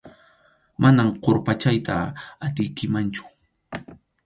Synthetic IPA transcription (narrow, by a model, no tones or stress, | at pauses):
mʔanamqoɾpat͡ʃajt̪ʰa̰at̪ɪjkɪmant͡ʃʊ̥